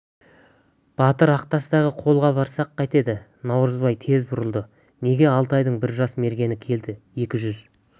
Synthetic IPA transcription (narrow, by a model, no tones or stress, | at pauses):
b̥ɑt̪əɾɑq̚t̪ɑsəd̪ɑʁəqʰo̞lˠʁɑbɑɾsɑqʰːɑjt̪e̞d̪ɪ | nɑwɾəzbɑjt̪ʰe̞zbʊɾəlˠd̪ə | ne̞ɡʲe̞ɑlˠt̪ɑjd̪əɴbɪɾʒɑsme̞ɾɡʲe̞nɪkʲʰe̞ld̪ɪje̞kʲɪʒʏz